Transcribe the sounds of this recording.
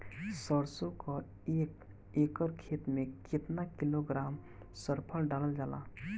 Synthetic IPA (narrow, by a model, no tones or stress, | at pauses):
səɾsokɔ | ek | ekəɾkʰet̪mẽkɪt̪nakiloɡɾaːm | səɾpʰəlɖaləld͡ʒaːla̰